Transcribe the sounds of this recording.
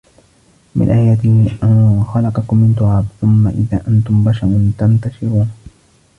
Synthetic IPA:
mʔɪ̰nʔaːjaːt̪ɪhʔanxalɑqɑkʊmːɪnt̪ʊʕaːbθʊmːaʔɪðaːʔant̪ʊmbaʃɑɾʊnt̪ant̪aʃɪɾuːn

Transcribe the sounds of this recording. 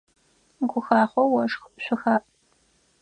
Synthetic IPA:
ɡʷʊxaːχʷɔwɐʂxɕʷʊxaːʔʼ

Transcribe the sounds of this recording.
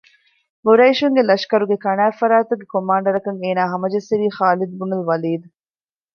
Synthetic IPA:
ɡuɾɐiʃuŋɡelɐʃkɐɾuɡekɐnæːfɐɾaːt̪uɡːekomaːɳɖɐɾɐkɐŋeːnaːɦɐmɐd͡ʒɐsːiɾiːχaːlid̪ubunɐlʋɐliːd̪u

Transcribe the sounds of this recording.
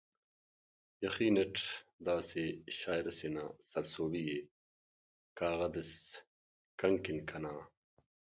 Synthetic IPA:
jɐxiːneʈ͡ʂd̪aːseɕaːjɾɐsenasɐlsoːbije | kaːɣɐd̪es | kɐŋkinkʰɐnaː

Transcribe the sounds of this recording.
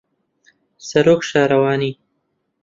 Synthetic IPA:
sɐɾoːkʃɑːɾawɑːni

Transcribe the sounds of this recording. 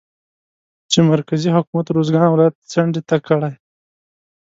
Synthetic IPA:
t͡ʃemaɾkaziɦʊkumat̪ɾozɡɑːnwlajat̪̚t͡saɳɖit̪akːəɽaj

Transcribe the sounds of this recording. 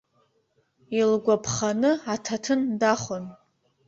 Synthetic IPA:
ilɡʷapʰχanɨatʰatʰɨndaχon

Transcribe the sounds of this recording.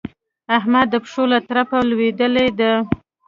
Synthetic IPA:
aɦmad̪ːəpʂolat̪aɾapalwed̪əled̪a

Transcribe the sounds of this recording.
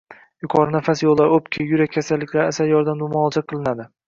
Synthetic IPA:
jʊqʰɒɾnafasjolˠːaɾopkʲʰɪjʊɾak̚ʲʰːasalːɪkʲlaɾasaɾjɒɾd̪amd̪ʊmɒːlˠd͡ʒʰaqʰɨlˠɪnad̪ɪ

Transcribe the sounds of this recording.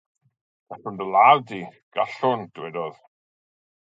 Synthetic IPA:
vasəndəlˠaːwdiɡ̥aɬʊnd̥wɛdɔð

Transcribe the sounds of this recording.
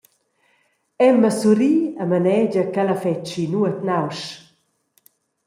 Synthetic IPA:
ɛmːəsuɾiːamanɛd͡ʒəkalafɛt͡ʃinuət̪nawʃ

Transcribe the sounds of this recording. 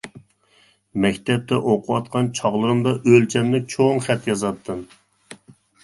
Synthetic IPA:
mɛkʲt̪ʰɛp̚t̪ʰɛʔoqʰʊwɑt̪̚qʰɑnt͡ʃʰɑʁlˠəɾəmd̪ɑʔølt͡ʃʰɛmnɪt͡ʃʰoŋχɛt̪jɑzɑt̪ʰːɨn

